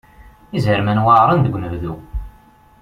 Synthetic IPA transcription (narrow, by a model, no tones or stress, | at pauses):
izəɾmænwaɾˤənd̪əɡʷnəvðu